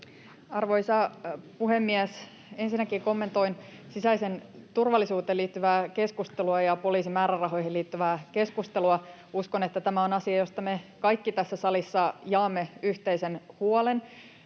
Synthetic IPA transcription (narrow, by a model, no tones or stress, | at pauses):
ɑrʋo̞jsɑpuhe̞mːiæs | e̞nsinːækiːko̞mːe̞nt̪o̞in | sisæjsent̪urʋɑlːisuːt̪eːliːt̪ːyʋæːke̞skust̪eluɑjɑpo̞liːsimæːɾærɑɦo̞jhiliːt̪ːyʋæːke̞skust̪e̞luɑuskone̞t̪ːæt̪æmæonɑsiɑjo̞st̪ɑmekɑjkːit̪æsːæsɑlisːɑjɑːmːeyht̪ejsenhuolen